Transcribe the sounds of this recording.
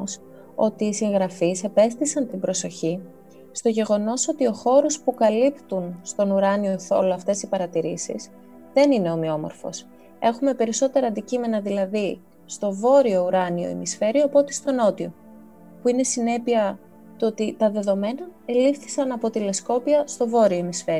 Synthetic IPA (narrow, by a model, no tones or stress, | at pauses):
s | o̞t̪iːsiŋɣɾɐfise̞pe̞st̪isɐnt̪ibɾo̞so̞çi | st̪o̞ʝe̞ɣo̞no̞so̞t̪io̞xo̞ɾo̞spukɐlipt̪unst̪o̞nuɾɐnio̞θo̞̰loɐft̪e̞sipɐɾɐt̪iɾisḭs | ðe̞nine̞o̞mio̞mo̰ɾfo̞̰s | e̞xume̞pe̞ɾiso̞t̪e̞ɾɐːnd̪icime̞nɐðilɐði | st̪o̞vo̞ɾio̞uɾɐnio̞̰ḛmisfe̞ɾioɐpo̞t̪est̪o̞no̞t̪io̞̰ | puine̞sine̞piɐ | t̪ot̪it̪ɐðe̞ðo̞me̞nɐelifθi̥sɐnɐpo̞t̪ile̞sko̞piɐst̪o̞vo̞ɾio̞emisfe̞ɾi